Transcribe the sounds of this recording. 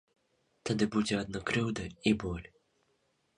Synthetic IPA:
t̪ɐd̪ɨbud͡zʲɛɐd̪̚nɐkɾɨwd̪ɐibɔlʲ

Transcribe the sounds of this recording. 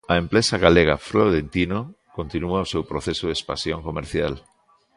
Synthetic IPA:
ɐempɾesaɣaleɣa̰fɾoðent̪ino | kont̪inuaosewpɾoθesʊðespa̰sjoŋkomeɾθjal

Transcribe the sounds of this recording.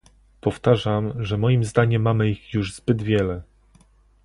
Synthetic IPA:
pɔft̪aʐamʐɛmɔjimzd̪aɲɛmːamɘixjuʐzbɘd̪vʲjɛlɛ

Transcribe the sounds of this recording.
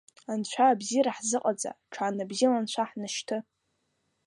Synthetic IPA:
ant͡ɕʷʰaːbziɾaħzɨqʼad͡za̰ʈ͡ʂʰanabzilant͡ɕʷʰaħnɨʃtʰɨ

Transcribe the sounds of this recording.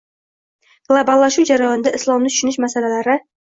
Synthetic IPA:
ɡ̥lˠabalˠːaʃuwd͡ʒaɾajɒnd̪aʔɪslˠɒmnɪt̪ʰʊ̥ʃʊnɪʃmasalalaɾɪ

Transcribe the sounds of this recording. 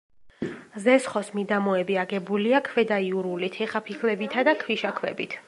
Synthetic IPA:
zɛsχɔsmid̪amɔɛbiaɡɛbuliakʰwɛd̪aiuɾulit̪ʰɛχapʰikʰlɛbit̪ʰad̪akʰwiʃakʰwɛ̰bit̪ʰ

